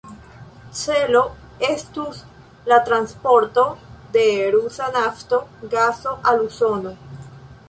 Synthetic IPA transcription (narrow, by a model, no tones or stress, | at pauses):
t͡se̞lo̞ | estus | lat̪ɾanspo̞ɾto̞de̞ɾusanafto̞ɡaso̞ʔaluso̞no̞